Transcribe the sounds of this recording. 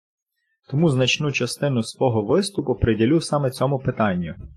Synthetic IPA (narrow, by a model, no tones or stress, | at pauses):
t̪ɔmuznɐt͡ʃnut͡ʃɐst̪ɪnʊsʋɔɦɔʋɪst̪ʊpʊpɾedʲilʲusɑmɛt͡sʲɔmʊpɪt̪ɑnʲːʊ